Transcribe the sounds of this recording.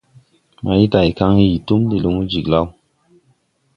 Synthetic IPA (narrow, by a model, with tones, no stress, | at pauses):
ma˨i˦ta˨i˨ka˧ŋhi˧i˨tu˦mli˨lu˧ŋu˦d͡ʒi˨kla˦w